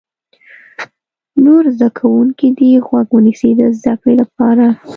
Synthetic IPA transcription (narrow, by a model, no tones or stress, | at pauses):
noɾzd̪akʰawuŋkid̪iɣwaɡwənisid̪əzd̪akɽilap̚ɑɾa